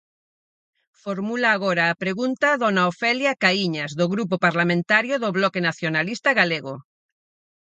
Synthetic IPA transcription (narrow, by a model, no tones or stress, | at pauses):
foɾmulaːɣ̞oɾaːpɾeɣunt̪aðonaofeljakaiɲazðoɣɾupopaɾlamẽnt̪aɾjoðoβlɔkenaθjonalist̪aɣaleɣo